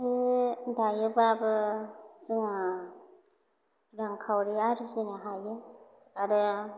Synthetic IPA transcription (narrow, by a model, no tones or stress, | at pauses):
idajɯbabɯzɯŋa | ɾaŋkʰawɾiaɾizinaɦajɯ | aɾɯ